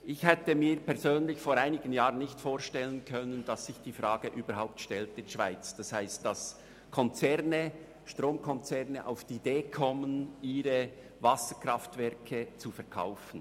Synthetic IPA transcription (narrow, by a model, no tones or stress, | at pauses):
ʔɪçhɛtəmiːɾpʰɛɐzøːnlɪçfoːɾaɪnɪɡ̥ən̩jaːʁənnɪçtfoːɾʃtɛlənkʰœnənd̥ɑsːɪçd̥iːfɾɑːɡ̥əʔyːbəɾɦaʊp̚tʃtɛltɪdʃv̥aɪt͡sd̥ɑshaɪst̚d̥as | kʰɔnt͡sɛʁnə | ʃtʁoːmkʰɔnt͡sɛʁnəʔa̰ʊfd̥ːdeːkʰɔməniːɾə | vɑsəkɾɑftvɛɐkʰət͡sufɛɐɾkʰa̰ʊfn̩